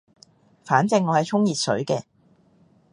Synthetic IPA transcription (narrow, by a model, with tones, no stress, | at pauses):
faː˨˥nt͡sɪ˧ŋːɔː˨˧hɐ˨˩jt͡sʰʊ˥ŋjiː˨t̚sɵ̰˨˥ɥkɛː˧